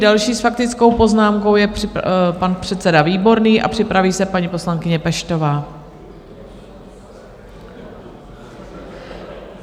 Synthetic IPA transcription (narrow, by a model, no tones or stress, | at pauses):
dalʃiːsfak̚t̪ɪt͡skowpo̞znaːmko̞wjɛpanpr̥ɛt̪t͡sɛdaviːbo̞ɾniːʔa̰pr̝̥ɪpɾaviːsɛpaɲipo̞slaŋkɪɲɛpɛʃt̪o̞vaː